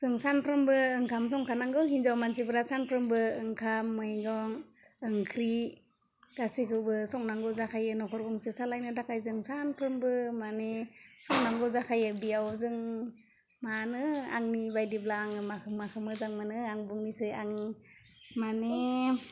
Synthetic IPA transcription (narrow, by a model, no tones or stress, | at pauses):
z̥ɯŋsanpʰɾɯmbɯɯŋkʰamsɔŋkʰanaŋɡɯwhinzawmansibɯɾasanpʰɾɯmbɯɯŋkʰamːɯjɡɔŋ | ɯŋkʰɾi | ɡ̥asikʰɯwbɯsɔŋnaŋɡɯwzakʰajɯnɔkʰɔɾɡɔŋsɯsalajnɯdakʰajzɯŋsanpʰɾɯmbɯmanesɔŋnaŋɡɯwzakʰajɯbiawzɯŋ | manɯa̰ŋnibajdiblaːŋɯmakʰɯmːakʰɯmɯzaŋmanɯaŋbuŋnisɯjaŋni | mane